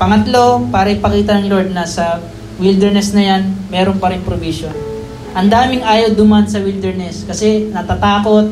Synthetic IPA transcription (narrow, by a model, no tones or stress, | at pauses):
pɐŋɐt̪lo̞paːɾɐɪpɐkiːt̪ɐnɐŋloɹd̪̚nɐsɐ | wild̪ɛɹnɛsnɐjanmɛːɾonpɐɾɪŋpɾobiːʃon | ʔɐnd̪aːmɪŋʔaːjɐwd̪ʊmansɐwild̪ɛɹnɛskɐsɛnɐt̪at̪aːko̞t̪̚